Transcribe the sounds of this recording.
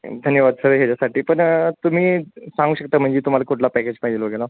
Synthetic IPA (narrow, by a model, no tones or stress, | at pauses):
d̪ʱənjəʋad̪səɦjat͡ɕasaʈiːpəɳt̪um̤iːsãŋɡuːɕək̚t̪am̤əɳd͡ʑet̪um̤alakuʈʰlapɛked͡ʑpaɦid͡ʑelʋəɡela